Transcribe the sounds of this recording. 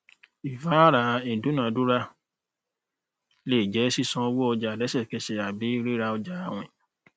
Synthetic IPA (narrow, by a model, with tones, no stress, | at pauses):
i˨fa˨˦ɾa˨˦i˨du˨˦nã˨du˦ɾa˧ | le˦˨d͡ʒɛ˨˦si˦sɔ̃˧o˧wo˦ɔ˧d͡ʒa˧˨dɛ˨˦sɛ˦˨ke˧se˧a˨bi˨˦i˦ɾi˦ɾa˧ɔ˧d͡ʒa˧a˧˨w̃ɛ̰̃˨